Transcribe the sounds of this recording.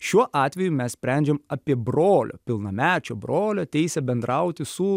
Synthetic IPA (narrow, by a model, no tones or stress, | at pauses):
ʃʲuɔʔɑːt̪ʲʋʲɛjumʲɛssʲpʲɾʲænʲd͡ʒʲɛmɑpʲiɛbɾoːlʲo̰ːpʲɪlˠnɐmʲæːt͡ʃʲoːbɾoːlʲoːt̪ʲɛɪsʲɛbʲɛnd̪ɾɑʊt̪ʲɪsʊ